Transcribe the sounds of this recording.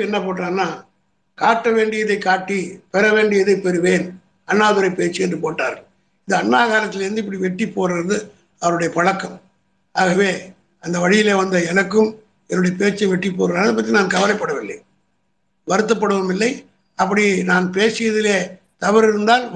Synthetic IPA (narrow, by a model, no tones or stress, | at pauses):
ɛnːɐpoːʈraːnːaː | kaːʈːɐʋeːɳɖɪjɐðɐɪkaːʈːipɛɾɐʋeːɳɖɪjɐðɐɪpːɛɾɯʋeːn | ɐnːaːðɯɾɐɪpeːt͡ʃːɪɛndrɯpoːʈːa̰ːɾɣɐ | ɪðɯɐnːaːɣaːɾɐt̪ːɪleɾɯnd̪ɯɪpːɐɽiʋɛʈːipːoːɾɪɾɐðɯ | ɐʋɐɾɯɽɐjɐpɐɻɐkːɐm | aːɣɐʋeː | ɐnd̪ɐʋɐɻɪjɪleːʋɐnd̪ɐɛnɐkːɯm | ɛnːɯɽɐjɐpeːt͡ʃːɐʋɛʈːipːoːɾɾaːnɐðɐpːɐt̪ːinaːnkɐʋɐlɐɪpːɐɽɐʋɪlːɐɪ | ʋɐɾɯt̪̬ːɐp̬ːɐɽɯʋɐmɪlːɐɪ | ɐpːɐɽinaːnpeːsɪjɐðɪleː | t̪ɐʋɐɾɪɾɯnd̪aːn